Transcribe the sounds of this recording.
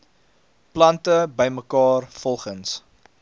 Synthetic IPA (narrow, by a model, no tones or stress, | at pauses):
plɐntəbəjməkɑːrfɔlˠχəns